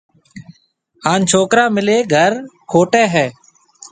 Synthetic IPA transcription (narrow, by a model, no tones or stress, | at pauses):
ɦaːnt͡ʃʰoːkɾãːmɪleːɡʱəɾkʰoːʈeːɦɛː